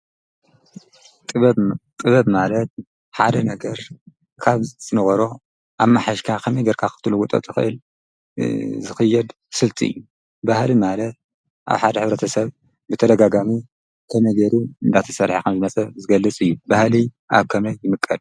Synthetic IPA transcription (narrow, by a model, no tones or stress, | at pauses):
t̪ʼɨt̪ʼɨβɐβmalɐt̪̚ | ħa̰d̪ɐnɐɡɐɾ | kʰaβzɨnɨɣɐɾo | ʔaβmaħaʃkʰakʰɐmɐjɡɐɾkʰakɨ̥t̪ʰluɡut̪ʼɐ̰t̪ʼɨxɨ̰ʔɨl | zɨxɐjːɛd̪ | sɨlt̪ʰḭɨ̰jːu | bahlimalɐt̪̚ | ʔa̰βħad̪ɐħɨβɾɐt̪ʰɐsɐβ | bɨt̪ʰɐd̪ɐɡaɡami | kʰɐmɐjɡɐɾuɨnd̪at̪ʰɐ̥sɐɾħakʰɐmzɨmɐt͡sʼɐzɨɡɐlːɨt͡sʼɨjːubahli | ʔaβkʰɐmɐjːɪmɨkʼːɐd̪̚